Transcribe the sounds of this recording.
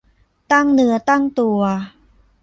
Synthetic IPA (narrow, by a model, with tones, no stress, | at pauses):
t̪a˥˩ŋnɯ˧˥ɐt̪a˥˩ŋt̪u˧ɐ